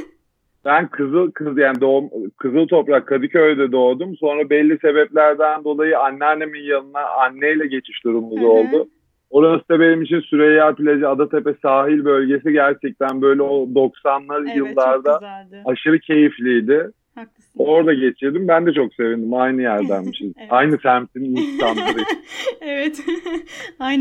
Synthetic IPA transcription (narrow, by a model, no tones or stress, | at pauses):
b̥ænkʰɯzɯkʰɯjaːnid̪omkʰɯzɯlˠt̪ʰo̞pɾakʰːad̪ɯcʰøjd̪ɛd̪o̞ːd̪umso̞nɾabɛlʲːise̞bɛplʲæɾd̪ænd̪o̞lˠajɯanːɛanːeminjanɯnaʔanːejlʲɛɟe̞t͡ʃʰi̥ʃd̪uɾumːuzo̞lˠd̪ʊ | o̞ɾasɯd̪abenimit͡ʃʰinsyɾejapilʲed͡ʒiad̪at̪ʰe̞pɛsaːɦilʲbø̞lʲɟe̞s̬iɟæɾt͡ʃʰɛc̚t̪ʰænbø̞jlʲɛo̞d̪o̞ksanlˠaɾɯjɯlˠːaɾd̪aːʃɯɾɯcʰe̞jiflʲijd̪ɪ | o̞ɾd̪aɟe̞t͡ʃʰiɾd̪imbænd̪ɛt͡ʃʰo̞kse̞vind̪imajnɯjæɾd̪ænmiʃizajnɯsʰæmt̪iminst̪ʰanlaɾɯevɛt̪ | a